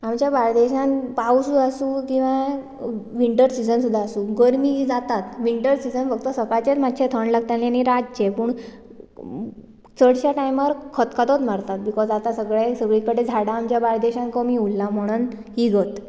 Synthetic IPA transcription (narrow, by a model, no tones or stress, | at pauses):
amt͡ɕjabaɭd̪eɕãnpausuəsuːkĩw̃ʋã | ʋiɳʈəɾsid͡zənsud̪ʱːaːsuːɡəɾmiːɦid͡zat̪at̪ʋiɳʈəɾsid͡zənfəɡ̚t̪ɔsəkajt͡ɕet͡s̪mat̪ːɕet̪ʰəɳlaɡ̚t̪ãlaniɾad͡ʑd͡ʑepuːɳ | t͡səɽɕaʈajməɾkʰət̪kʰat̪ot̪maɾt̪at̪̚bikɔd͡zat̪asəɡɭesəɡɭikəɽed͡zʱaɽaːmt͡ɕjabaɭd̪eɕãnkəmiulːam̤əɽ̃ən | ɦiːɡət̪